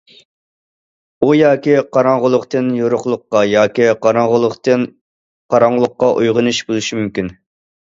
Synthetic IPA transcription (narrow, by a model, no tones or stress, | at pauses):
ujɑːkʲiqɑɾɑŋʁəlˠʊqt̪ɨnjoɾʊχlˠʊqqːɑjɑːkʲiqʰɑɾɑŋʁəlˠʊqt̪ɨn | qʰɑɾɑŋlˠʊqːɑʔujʁənɨʃbolˠuʃimymkʲyn